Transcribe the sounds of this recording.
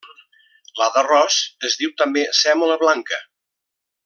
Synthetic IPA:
laðərɔsəzðiwt̪əmbesɛmoləβlaŋkə

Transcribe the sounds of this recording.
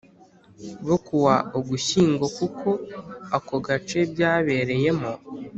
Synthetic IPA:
βokuwaoɡuçiːŋɡo̞kukʰo̞akoɡat͡ʃe̞bjaːβe̞ɾe̞je̞mo

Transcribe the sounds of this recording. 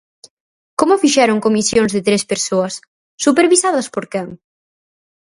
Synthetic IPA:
komofiʃɛɾoŋkomisjoŋzðɪt̪ɾespeɾsoɐsː | upeɾβisaðɐspoɾkɛŋ

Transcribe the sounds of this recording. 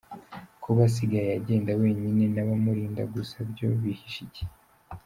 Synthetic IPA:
kʰuβas̬iɡajeaɟe̞ːndawe̞ːɲine̞naβamuɾiːnda̰ɡusabɟo̞βihiʃiɟe̥

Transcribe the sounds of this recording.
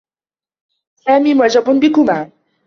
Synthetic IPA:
saːmiːmʊʕd͡ʒabʊbɪkʊmaː

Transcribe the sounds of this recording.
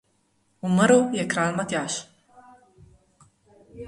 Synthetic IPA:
uməɾujɛkɾaːlmat̪jaːʃ

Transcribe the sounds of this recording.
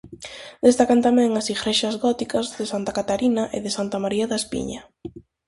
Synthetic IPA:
d̪est̪akant̪amɛ̃ŋasifɾeʃɐzɣɔt̪ikɐzðɪsant̪akat̪aɾinɐʔɪðɪsant̪amaɾiaðaespḭɲɐ

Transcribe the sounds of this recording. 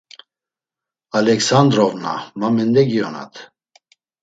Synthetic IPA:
alɛksand̪ɾɔvna̰mamɛnd̪ɛɡiɔna̰t̪ʰ

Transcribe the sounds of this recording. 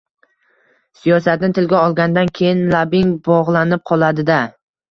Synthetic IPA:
sijɒs̬at̪nɪt̪ʰɪlɡʲaɒlˠɡʲand̪ankʲʰe̞jɪnlabɪŋbɒʁlˠanɪp̚qʰɒlˠad̪ɪd̪a

